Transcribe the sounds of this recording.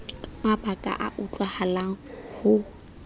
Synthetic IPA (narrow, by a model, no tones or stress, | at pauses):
ŋabakʼa̰ʔa̰ʔut͡ɬʼwahalaŋ̩hʊ